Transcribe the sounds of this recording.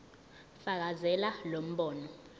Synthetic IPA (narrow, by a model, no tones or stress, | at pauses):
fak̬azɛlalom̩ɓɔːnɔ